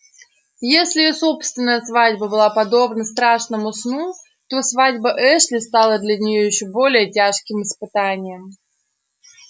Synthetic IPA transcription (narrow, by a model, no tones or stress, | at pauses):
jesʲlʲɪɪso̞pst̪vʲɪnːəjəsvadʲbəbɨlˠapɐd̪o̞bnəst̪ɾaʂnəmʊsnu | t̪o̞svadʲbəʔɛʂlʲɪst̪alˠəd̪lʲɐnʲɪjojɪɕːobo̞lʲɪjətʲaʂkʲɪmɨspɨt̪anʲɪjəm